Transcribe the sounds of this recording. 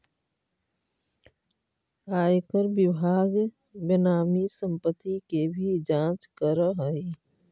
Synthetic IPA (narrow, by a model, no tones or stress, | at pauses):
aːjkəɾbɪbʱaːɡ | bənaːmisə̃mpət̪ikebʱid͡ʒãt͡ʃkəɾəɦəi